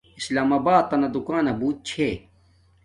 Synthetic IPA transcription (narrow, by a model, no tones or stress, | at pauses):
islaːmaːbaːt̪ːɐnɐd̪ukaːnɐbuːt̪̚t͡ɕʰeː